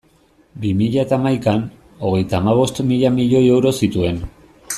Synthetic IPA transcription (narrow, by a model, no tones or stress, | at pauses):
bimiʎaet̪aːmajkan | o̞ɣ̞e̞jt̪aːmaβ̞o̞st̪miʎamiʎo̞je̞wɾo̞sit̪ue̞n